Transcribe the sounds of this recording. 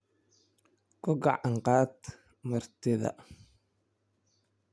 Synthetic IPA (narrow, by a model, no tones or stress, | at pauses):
kʰʊɡɑʕɑɴqɑːd̪ | mɐrt̪ʰɪðɐ̰